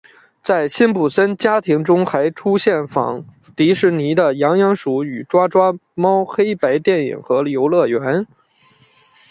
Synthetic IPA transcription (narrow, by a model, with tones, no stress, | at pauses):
t͡sa˥˩ɪɕi˥npu˨˩sə˥nt͡ɕja˥t̪ʰi˧˥ŋʈ͡ʂʊ˥ŋxa˧˥ɪʈ͡ʂʰu˥ɕjɛ˥˩nfɑ̰˧˥˦ŋ | t̪i˧˥ʂɻ̩˧˥ni˧˥d̪ə˨jɑ˧˥ŋjɑ˧˥ŋʂu˧˥y˨˩ʈ͡ʂwa˥ʈ͡ʂwa˥mɑ˥ʊxe˥ɪpa˧˥ɪt̪jɛ˥˩nḭ˨˩ŋxɤ˧˥ljo˧˥ʊlɤ˥˩ɥɛ˧˥n